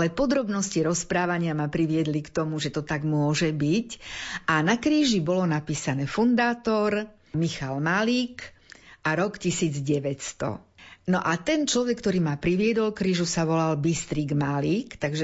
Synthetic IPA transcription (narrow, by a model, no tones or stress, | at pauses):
lɛpɔd̪ɾɔbnɔsciɾɔspɾaːʋaɲɪamapɾiʋɪɛd̪likt̪ɔmuʒɛt̪ɔt̪aɡmʊɔʒɛbicʔanakɾiːʒibɔlɔnapiːsanɛːfund̪aːt̪ɔɾ | mixalmaliːkʔaɾɔkcisiːd͡zɟɛʋɛtst̪ɔ̰nɔʔat̪ɛnt͡ʃlɔʋɛkːt̪ɔɾiːmapɾiʋɪɛd̪ɔlkɾiːʒusaʋɔlalbist̪ɾiɡmaliːkt̪aɡʒɛ